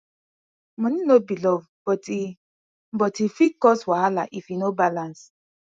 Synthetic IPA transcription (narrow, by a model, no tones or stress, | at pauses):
mɔ̃nĩnobilɔv | bɔti | m̩bɔtifikɔswalaʔifinobalãns